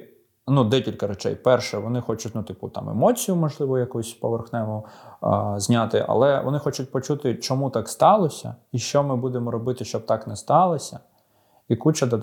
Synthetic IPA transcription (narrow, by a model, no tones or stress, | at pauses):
nud̪ɛkʲilʲkɐɾet͡ʃɛ̰jpɛrʃɛʋɔnɪxɔt͡ʃʊtʲnʊt̪ɪput̪ɑ̰mḛmɔt͡sʲijʊmɔʒlˠɪʋɔjɐkusʲpɔʋerxnɛmʊ | zʲnʲat̪ɪʔɐ̰lˠɛʋɔ̰nɪxɔt͡ʃʊt̚ʲpɔt͡ʃut̪ɪt͡ʃɔmut̪ɑkst̪ɑlˠɔsʲɐ̰iʃt͡ʃɔmɪbud̪emɔɾɔbɪt̪ɪʃt͡ʃɔb̚t̪ɑknɛst̪ɑlˠɔsʲɐ | ikut͡ʃɐd̪ɐ